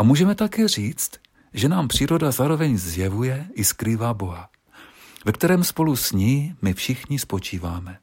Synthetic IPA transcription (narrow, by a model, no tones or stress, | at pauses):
ʔamuːʒɛmɛt̪akɛːr̝iːt͡st̪ | ʒɛnaːmpr̝̥iːɾo̞dazaːɾo̞vɛɲzjɛvujɛʔɪskɾiːvaːbo̞ɦa | vɛk̚t̪ɛɾɛːmspo̞lusɲiːmɪfʃɪxɲɪspo̞t͡ʃiːvaːmɛ